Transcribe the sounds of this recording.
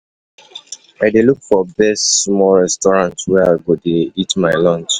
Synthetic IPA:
aɪdelukfɔbɛstmɔɹɛstɔɹãntwɛaɪɡodeitmaɪlɔ̃nt͡ʃ

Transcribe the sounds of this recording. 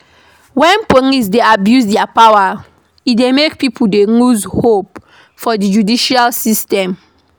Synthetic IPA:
wɛ̃nponis̬deabjusdɛapawa | idemekpipʰudenuzhop̚ | fɔdid͡ʒudiʃalsistɛ̃m

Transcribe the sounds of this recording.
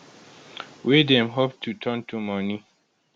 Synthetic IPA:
widɛ̃mɦop̚tʰutʰə̃ntumɔni

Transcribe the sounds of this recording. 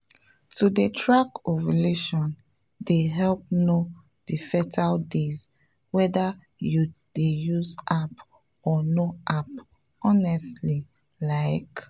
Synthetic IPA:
tudetʰɹakoɹileʃɔ̃n | deɦɛlp̚no | d̥ifɛtʰaldez | wɛda | jud̥ejuzap | ɔnoʔap | ɔnɛstli | laɪk

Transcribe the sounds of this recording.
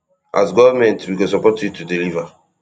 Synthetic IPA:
ʔa̰sɡɔvamɛ̃ntwikɔs̬ɔpɔtjutudiliva

